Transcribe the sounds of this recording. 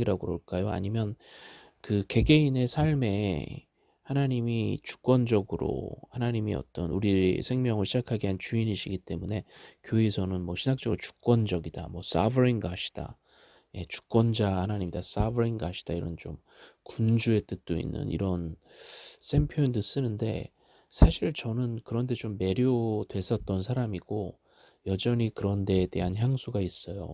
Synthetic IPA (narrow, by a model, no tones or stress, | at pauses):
iɾaɡoɾoɭk͈ajoa̰ɲimjʌn | kɯke̞ɡe̞ine̞sʰaɭme̞ | hanaɲimit͡ɕu̥k͈̚wʌnd͡ʑʌɡɯɾo̰hanaɲimiʌ̰t͈ʌnuɾiɾḛsʰe̞ŋmjʌŋɯɭɕʰid͡ʑakʰaɡeɦant͡ɕuiniɕʰiɡit͈e̞mune̞kjoisʰʌnɯnmwʌɕʰinak̚t͡ɕ͈ʌɡɯɾot͡ɕu̥k̚k͈wʌnd͡ʑʌɡida̰mwʌs͈a̰bʌɾiŋɡaɕʰi̥d̥a̰ | je̞t͡ɕu̥k̚k͈wʌnd͡ʑahanaɲimɲidas͈abʌɾiŋɡaɕʰi̥d̥aiɾʌ̰nt͡ɕo̰m | kund͡ʑue̞t͈ɯt̚t͈oḭnːɯ̰nḭɾʌn | s͈ʰe̞mpʰjondɯs͈ɯnɯnde̞̰ | sʰaɕʰiɭt͡ɕʌnɯnkɯɾʌnde̞t͡ɕomːe̞ɾjodwe̞s͈ʰʌt̚t͈ʌnsʰaɾamiɡ̥o | jʌd͡ʑʌnikɯɾʌnde̞ːde̞ɦançjaŋsʰuɡais͈ʌjo̰